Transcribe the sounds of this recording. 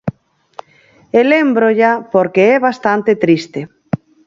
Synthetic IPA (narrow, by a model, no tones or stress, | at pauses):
elembɾoʎapoɾkeɛβast̪ant̪et̪ɾist̪e